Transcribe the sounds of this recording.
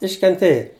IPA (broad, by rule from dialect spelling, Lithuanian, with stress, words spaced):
ɪʃʲkʲɛnʲˈtʲeːjɛ